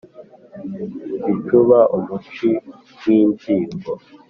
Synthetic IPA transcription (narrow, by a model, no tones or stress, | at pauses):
it͡ʃuβaʔumut͡ʃi | wiːndiːmbo